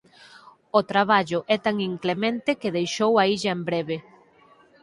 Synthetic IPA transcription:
ot̪ɾaβ̞aʎʊʔɛt̪aŋiŋklemẽnt̪ɪkɪðejʃowaiʎɐembɾeβe

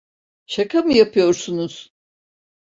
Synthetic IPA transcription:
ʃakʰamɯjapʰɯjo̞ɾsunuz̥

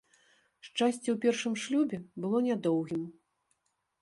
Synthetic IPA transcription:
ʂt͡ʂasʲt͡sʲɛwpʲɛrʂɨmʂlʲubʲɛbɨlˠɔnʲad̪ɔwɣʲim

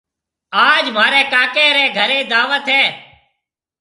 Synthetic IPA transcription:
aːd͡ʒm̤aːɾɛːkaːkeːɾɛ̃ːɡʱəɾeːd̪aːʋət̪ɦɛː

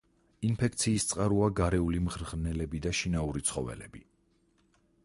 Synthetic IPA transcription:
inpʰɛk̚ʰt̪sʰiːst̪sʼqʼaɾuaɡaɾɛulimʁɾʁnɛlɛbid̪aʃinauɾit̪sʰχɔvɛ̰lɛ̰bi

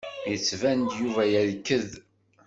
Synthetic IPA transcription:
jət͡sːvænd̪juvæjæðkːəð

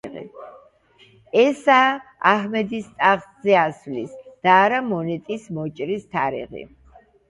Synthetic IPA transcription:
ḭ | ɛsaaɦmɛd̪ist̪ʼaʁszɛasvlisd̪̥aːɾamɔnɛt̪ʼismɔt͡ʃʼɾist̪ʰaɾḭʁḭ

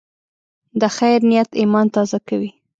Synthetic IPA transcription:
d̪əxajɾnijat̪imɑnt̪ɑzakawi

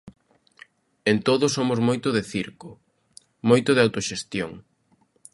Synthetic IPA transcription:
ent̪oðʊsomʊzmojt̪ʊðɪθiɾkʊ | mojt̪ʊðɪawt̪oʃest̪joŋ

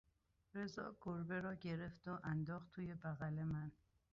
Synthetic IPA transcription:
ɾezɒ̰ːɡoɾbe̞ɾɒːɟe̞ɾe̞fd̪oʔænd̪ɒːχt̪ʰːuːje̞bæɣæle̞mæn

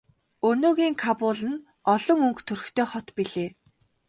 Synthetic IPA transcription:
ɵnoːɣiːŋkʰapʊːɮə̆n | ɔɮɞ̆ŋɵŋkt̪ʰɵrɵ̆xt̪ʰeːχɔt̪piɮeː

